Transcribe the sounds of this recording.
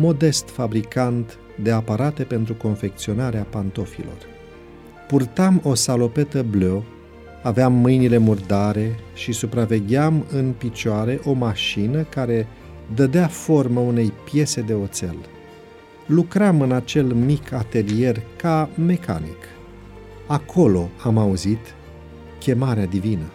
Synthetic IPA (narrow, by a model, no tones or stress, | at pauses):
mo̞d̪e̞st̪fabɾikant̪ | d̪e̞apaɾat̪e̞pe̞nt̪ɾuko̞nfe̞k̚t̪sio̞naɾeapant̪o̞fḭlo̞̰r | purt̪amo̞salo̞pe̞t̪əblo | aveamːɨjnile̞murd̪aɾe̞ʃisupɾave̞ɡʲeamɨnpit͡ʃoaɾeʔo̞maʃinəkaɾe̞ | d̪əd̪eafo̞rməune̞jpje̞se̞d̪e̞o̞t̪se̞̰l | lukɾamɨnat͡ʃe̞lmikʰat̪e̞lie̞rkame̞ka̰nḭk | akʰo̞lo̞amauzit̪ | kʲe̞maɾead̪ivinə